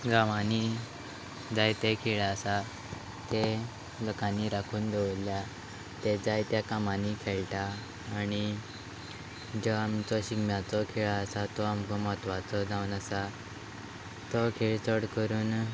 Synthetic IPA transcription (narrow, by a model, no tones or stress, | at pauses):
ɡãʋani | d͡zajt̪ekʰiɭaəsa | t̪e | lɔkanːiɾakʰuːnd̪eʋlja | t̪ed͡zajt̪jakamanikʰeɭʈaː | ñi | d͡ʑɔamt͡sɔɕiɡmjat͡sɔkʰiɭaːsat̪ɔamkɔmɔt̪ʋat͡sɔd͡zaunasa | t̪ɔkʰeɭt͡sɔɽkəɾuːn